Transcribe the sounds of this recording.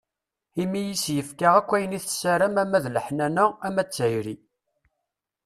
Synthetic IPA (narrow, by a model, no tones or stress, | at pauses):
imijisjəfkaʁækʷːæjəniθsæɾæmæmæðləħnænææmæt͡sːæjɾi